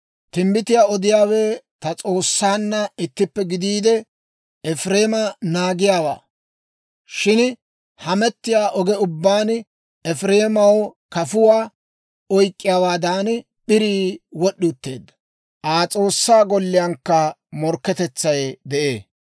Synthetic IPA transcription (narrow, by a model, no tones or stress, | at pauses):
t̪ɪmbɪt̪ɪjaːɔd̪ɪjaːwɛt̪ɐt͡sʼo̞ːsːaːnːɐɪt̪ːɪpːɛɡɪd̪iːd̪ɛ | ɛfɾe̞ːmɐnaːɡɪjaːwa̰ː | ʃɪn | hɐmɛt̪ːɪjaːʔɔɡɛʊbːaːn | ɛfɾe̞ːmɐwkɐfʊwaː | ɔjkʼːɪjaːwaːd̪aːn | ɓɪɾiːwɔɗːʊt̪ːe̞ːd̪ːɐ̥ | ʔaːt͡sʼo̞ːsːaːɡɔlːɪjɐŋkːɐ | mɔɾkːɛt̪ɛt͡sːɐjd̪ɛʔḛː